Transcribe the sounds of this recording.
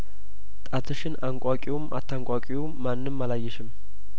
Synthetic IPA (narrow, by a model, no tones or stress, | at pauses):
t̪ʼat̪ʰɨʃɪnaŋkʷʼakʼiwomʔa̰t̪ʰːaŋkʷʼakʼiwo | mːanːɨmːalajːɛʃɪm